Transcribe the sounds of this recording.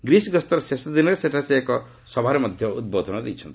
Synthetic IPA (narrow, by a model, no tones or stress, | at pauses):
ɡɾisɡɔst̪ɔɾsesɔd̪inɔɾeseʈʰaseekɔ | sɔbʱaɾemɔd̪ʱjɔṵd̪̚bod̪ʱɔnɔd̪ijt͡ʃʰɔnt̪i